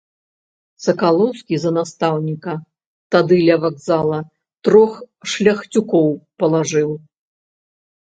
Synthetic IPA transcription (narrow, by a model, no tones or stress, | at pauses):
sɐkalˠɔwskʲizɐnast̪awnʲikɐ | t̪ad̪ɨlʲɐvaɡzalˠɐ | t̪ɾɔx | ʂlʲɐxt͡sʲukɔwpɐlˠaʐɨw